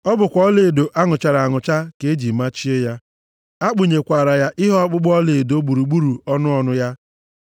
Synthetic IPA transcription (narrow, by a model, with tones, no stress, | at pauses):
ɔ˦bʊ˨kʷɔ˨˦le˨do˨ʔa˦ŋʊ˨t͡ʃa˨ɾa˨ŋʊ˨t͡ʃa˦ke˨˦d͡ʒi˨ma˦t͡ʃi˦e˦ja˦ | a˦k͡pʊ˨ɲe˨kʷa˨ɾa˨ja˦ʔɪ˦ɦɔ˦k͡pʊ˦ɡ͡bɔ˦le˨do˦ɡ͡bu˨ɾu˨ɡ͡bu˦ɾu˨ɔ˦nʊ˦ɔ˦nʊ˦ja˦